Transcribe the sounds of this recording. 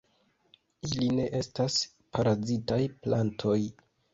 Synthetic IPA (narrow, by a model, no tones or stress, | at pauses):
iline̞ʔe̞stas | paɾazitajplantʰo̞j